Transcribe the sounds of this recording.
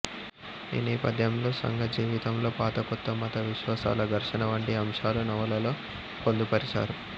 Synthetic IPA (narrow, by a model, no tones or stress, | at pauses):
ḭːnɛːpɐd̪ʱjɐmlo̞ːsɐ̰ŋɡʱɐd͡ʒiːʋit̪ɐmlo̞ːpaːt̪ɐkɔt̪ːɐmɐt̪ɐʋiʃʋaːsa̰ːlɐd̪ɐɾʂɐnɐʋɐɳʈiɐmʂaːlunɐʋɐlɐlo̞ː | kond̪upɐɾisa̰ːɾu